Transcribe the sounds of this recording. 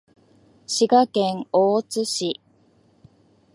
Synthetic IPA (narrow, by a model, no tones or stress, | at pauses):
ɕiɡakẽŋoːt͡sɨɕi